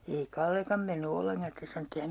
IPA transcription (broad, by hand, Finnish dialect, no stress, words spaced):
ei kɑlːekɑm menːy olːeŋkɑn̞ sĭtes sɑno etː ei hæm